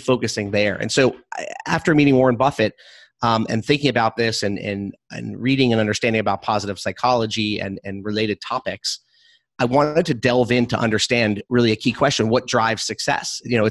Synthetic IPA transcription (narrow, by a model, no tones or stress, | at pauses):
foʊkɨsɪ̃ŋðə˞ɨ̰̃nsoʊʔæftə˞miɾɪ̃ŋwɔɹə̃nbʌfɨt̚ | ʌ̃mɨ̰̃nθɪ̃ŋkɪ̃ŋɨbaʊt̪̚ðɪsɨ̃nɨ̰̃nɨ̰̃nɹiɾɪ̃ŋɨ̃nʌ̃ndə˞stæ̃ndɪ̃ŋɨbaʊt̚pʰɑzəɾɨv̥saɪkʰɑlˠəd͡ʒiɨ̰̃nɨ̃nɹɨleɪɾɨd̚tʰɑpɨks | ʔaɪwɑ̃nɨd̚tʰɨdɛlˠvɪ̃ntʰəʔʌ̰̃ndə˞stæ̃ndɹɪlˠiɨkʰikʰw̥ɛst͡ʃɨ̃nwʌt̚d̥ɹaɪvz̥sɨksɛ̰sjɨnoʊɨ